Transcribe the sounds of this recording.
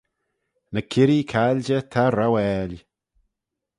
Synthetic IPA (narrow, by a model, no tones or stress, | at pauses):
nəkʰɪɾikʰalʲd͡ʒətʰaɾawɛlʲ